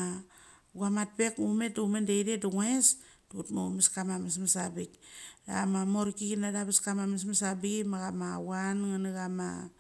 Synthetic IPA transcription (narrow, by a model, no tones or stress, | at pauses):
a | ɡuamat̚pe̞kume̞tumendejdetuŋesdutmoumeskamamismasabika̰mamoɾkiɡinadaβaskamames̬masabiɡimaɣamawanŋaniɡama̰